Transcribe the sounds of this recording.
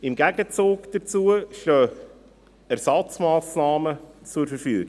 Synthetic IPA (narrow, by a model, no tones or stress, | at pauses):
ɪmɡæɡət͡suːɡd̥ət͡suəʃtœ | ɛɾsɑt͡smaːsnaːmət͡suɾfəɾfyːɡi